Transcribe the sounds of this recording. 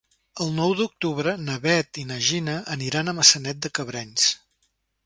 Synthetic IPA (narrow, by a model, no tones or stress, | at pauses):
əlˠnɔwðuk̚t̪uβɾənəβɛt̪inəʒinəʔəniɾanəməsənɛt̪̚d̪əkəβɾɛns